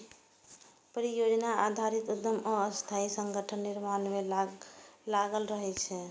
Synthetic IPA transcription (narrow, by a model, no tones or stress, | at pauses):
pɾijod͡ʒnaad̪ʱaɾit̪ut̪ːəməst̪ʰaisəŋɡəʈʰənːiɾmanme | laɡəlɾəɦɛt͡ʃʰɛ